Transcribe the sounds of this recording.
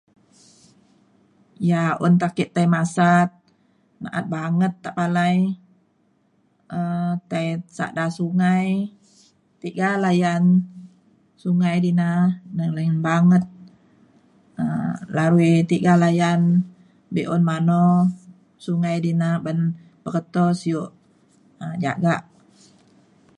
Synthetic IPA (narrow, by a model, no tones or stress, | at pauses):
jaṵnt̪akiʔt̪aimasat̪̚ | na̰ʔa̰t̪̚baŋət̪ːaʔpalaj | ət̪ajsa̰ʔdasuŋaj | t̪iɡalajan | suŋajdinanəŋlanbaŋət̪̚ | əlaɾuit̪iɡalajan | biʔɔnmanɔ | suŋajdinabən | b̥əkət̪ɔsijoʔ | əd͡ʒa̰ɡaʔ